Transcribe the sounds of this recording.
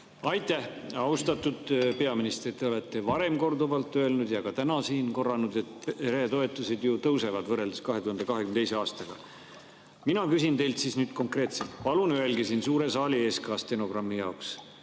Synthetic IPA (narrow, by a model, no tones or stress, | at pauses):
ɑjt̪ːˑæhɑust̪ɑt̪ːud̪̥pe̞ɑminist̪rit̪ːˑe̞o̞le̞t̪ˑːe̞vɑɾe̞mko̞rd̪uvɑlt̪ːˑø̞e̞lnud̪̥jɑɡ̥ɑt̪ænɑsiːnko̞rːɑnud̪e̞t̪ɾeːt̪o̞e̞t̪ːˑused̪jut̪ɤwse̞vɑd̪vɤrːe̞ld̪eskɑɦe̞t̪uhɑnd̪ekɑɦekymnet̪eise̞ɑːst̪ɑɡ̥ɑ̰ | minɑkysint̪e̞jlt̪siːsnyːd̪̥̚ko̞ŋkre̞ːt̪selt̪pɑlunyɦe̞lɡisiːnsuːɾe̞sɑːlʲie̞ːskɑːst̪e̞no̞ɡrɑmːijɑoks